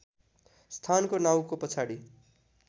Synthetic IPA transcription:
st̪ʰankonaw̃kopʌt͡sʰaɽi

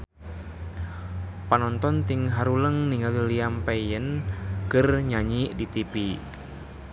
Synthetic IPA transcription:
panɔnt̪ɔnt̪ɪŋɦaɾuləŋniŋaliliampejənkərɲaɲiʔdit̪ipi

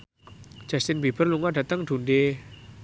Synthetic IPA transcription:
d͡ʒ̥ast̪ɪnbib̥ərluŋaɖ̥a̤t̪əŋɖ̪̥ṳnɖe

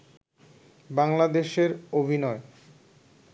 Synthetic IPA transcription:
baŋlad̪eʃeɾobʱinɔe

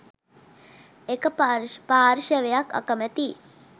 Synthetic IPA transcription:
ekəppaːɾʃəʋejakɐ̰kəmæt̪i

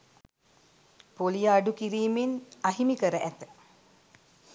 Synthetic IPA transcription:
polijaːɖukiɾiːmenaɦimikəɾəʔæt̪ə̥

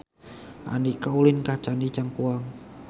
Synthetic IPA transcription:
ʔa̰nikaulɪnkat͡ʃanit͡ʃaŋkuaŋ

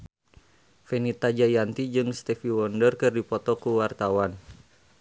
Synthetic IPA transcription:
fɛnit̪ad͡ʒajant̪id͡ʒɨŋst̪ɛfiwɔndərkɨrdipɔt̪ɔkuwart̪awan

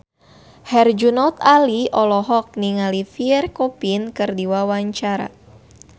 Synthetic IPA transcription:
hɛrd͡ʒunɔt̪aliɔlɔɦɔk̚niŋalifiɛrkopinkɨrdiwawaɲt͡ʃaɾa̰

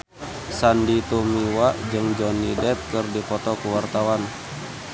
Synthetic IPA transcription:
sandit̪umiwaʔd͡ʒɨŋd͡ʒɔnːidɛp̚kərdipɔt̪ɔkuwart̪awan

